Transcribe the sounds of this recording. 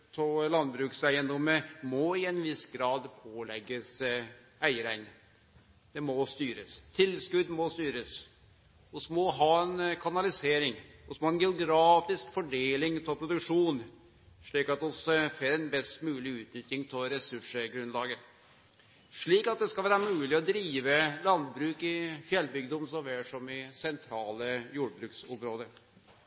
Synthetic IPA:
t̪ʰɔlɑnd̪bɾʉːksæɪənd̪ɔməmɔɪɛnʋɪsɡɾɑːd̪pʰoːlɛɡːəs | æɪəɾæɪn | d̪̥ɛmɔst̪yːɾəst̪ʰɪlskʉd̪mɔst̪yːɾəs | ɔsmɔɦɑːɛnkʰɑnɑlɪseːɾɪŋɔsmɔɑɛnɡɛʊɡɾɑːfɪskfɔɖeːlɪŋt̪ʰɪlpʰɾʊd̪ʉkʂuːn | ʂɭiːkɑt̪ɔsfeɾɛnbɛst̪mʉːlɪʉːt̪nʏt̪ɾɪŋt̪ʰɪlɾɛsʉʂəɡɾʉnlɑːɡə | ʂɭiːkɑt̪̚d̪ɛskɑlʋæːɾɑmʉːlɪɔd̪ɾiːʋəlɑnd̪bɾʉːkɪfjɛlbʏɡəd̪ɔmsɔʋɛːʂɔmɪsɛnt̪ʰɾɑːləjuːɖbɾʉːksɔmɾoːd̪əɾ

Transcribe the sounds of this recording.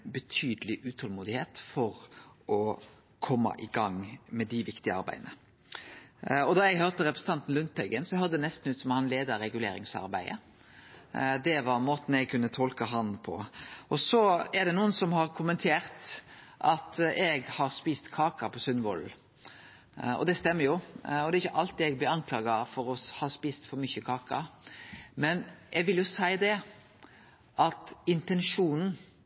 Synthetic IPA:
bət̪ʰyːd̪əlɪʔʉːt̪ʰɔlmuːd̪ɪheːt̪fɔɾɔ | kʰɔmːɑ̰ʔɪɡɑŋmɛd̪ɪʋɪkt̪ɪəɑɾbæ̰ɪd̪nə | ɔd̪ɑɛɡɦœʁt̪əɾɛpɾəsən̩t̪ɑnt̪n̩lʉnt̪̚bɛɡənsɔhøːɾd̪əd̪ɛnɛst̪n̩ʉːt̪sɔmhɑnleːd̪əɾɛɡʉlḛːɾɪ̰ŋsɑ̰ɾbæ̰ɪə̰ | d̪ɛʋɑɾmoːt̪n̩ɛɡ̚kʰʉnːət̪ʰɔlkəɦɑnpʰɔ̰ʔɔsɔɛd̪ɛnuːənsɔmhɑɾkʰʊmɛnt̪ʰeːɾt̪ʔɑt̪ɛɡhɑɾspiːst̪kʰɑːkɑpʰɔsʉnʋɔ̰l | ɔ̰d̪ɛst̪ɛmːəɾjʊɔd̪ɛɾɪçːəʔɑlt̪̚d̪ɛɛɡblɪɑnkʰlɑːɡɑfɔɾɔhɑːspiːst̪fɔɾmʏçəkʰɑːkɑ̰ | mɛnʔɛɡʋɪljʊsæɪd̪ɛ | ʔɑt̪ɪnt̪ɛnʂuːnn̩

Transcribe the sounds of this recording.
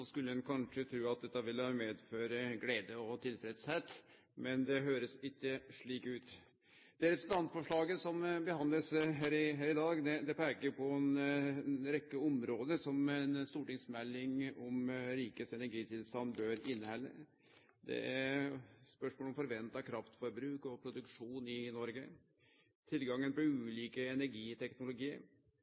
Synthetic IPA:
skʉlːəɛnkʰɑnʂət̪ʰɾʉːɑt̪̚d̪ɛt̪ːɑʋɪlːɑmeːd̪føːɾəɡleːd̪əɔt̪ʰɪlfɾɛd̪shet̪ | mɛnd̪ɛɦøːɾəsɪkːəʂɭiːkʉːt̪ | d̪̥ɛɾɛpɾsn̩t̪ɑnt̪fɔʂɭɑːɡəsɔmbəhɑnd̪ləsɦæɾɪɦæːɾɪd̪ɑːɡd̪ɛd̪ɛpʰæɡəɾpʰɔɛn | ɾɛkːəɔmɾoːd̪əsɔmɛnst̪uːʈɪŋsmɛlːɪŋɔmɾiːkəsɛnæɾɡiːt̪ʰɪlst̪ɑnbøːɾɪnːhɛlːə̰ | d̪ɛ̰æɾspœʂmoːlɔmfɔɾʋɛnt̪ɑkʰɾɑft̪fɔɾbɾʉːkɔpʰɾʊd̪ʉkʂuːnɪnɔɾɡə | t̪ʰɪlɡɑŋːənpɔʉːliːkəɛnæɾɡiːt̪ʰɛknʊlʊɡiːə̰ɾ

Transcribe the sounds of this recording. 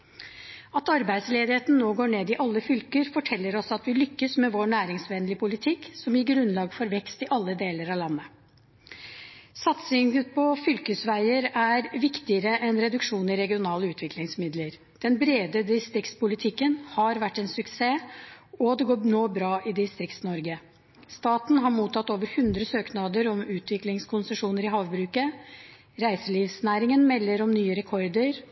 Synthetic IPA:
ɑt̪ɑɾbæɪd̪sleːd̪ɪheːt̪n̩noːɡoːɳeːd̪ɪʔɑlːəfʏlkəɾfɔʈʰɛlːəɾɔsɑt̪ʋɪlʏkːəsmɛʋoːɳæːɾɪŋsʋɛnlɪəpʰʊlɪt̪ʰɪksɔmjɪɡɾʉnlɑːɡfɔɾʋɛkst̪ɪʔɑlːəd̪eːləɾɑʋlɑnːə | sɑt̪sɪŋəpʰɔfʏlkəsʋæɪəɾæɾʋɪkt̪ɪəɾəʔɛnɾɛd̪ʉkʂuːnɪɾɛɡɪʊnɑːləʉːt̪ʰʋɪklɪŋsmɪd̪ləɾ | d̪̥ɛnbɾeːd̪əd̪ɪst̪ɾɪkt̪spʊlɪt̪ʰɪkːənhɑɾʋæʈːɛnsʉkseːɔd̪ɛɡoːnoːbɾɑːʔɪd̪ɪst̪ɾɪkt̪snɔɾɡə | st̪ɑːt̪n̩ɦɑɾmuːt̪ɑt̪ːoːʋəɾhʉnd̪ɾəsøːknɑd̪əɾɔmʉːt̪ʰʋɪklɪŋskʰʊnsəʂuːnəɾɪɦɑːʋbɾʉːkə | ɾæɪsəliːʋsnæːɾɪŋənmɛlːəɾɔmnyːəɾɛkʰɔɾd̪əɾ

